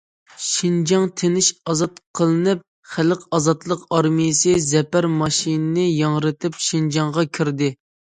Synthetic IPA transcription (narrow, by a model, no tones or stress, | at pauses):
ʃind͡ʒɑŋt̪ʰenɪʃɑzɑt̪qʰəlˠɨnɨp̚ | χæləqɑzɑt̪lˠəqɑɾmijɪsɨzɛpæɾmɑʃinnɪjɑŋɾɨt̪ʰɪpʃind͡ʒɑŋʁɑkʲʰiɾd̪ɪ